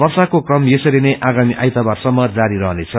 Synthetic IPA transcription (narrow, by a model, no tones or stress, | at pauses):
bʌrsakokrʌmjesʌɾineʔaɡamiʔajt̪abarsʌmːʌd͡zaɾiɾʌɦnet͡sʰʌ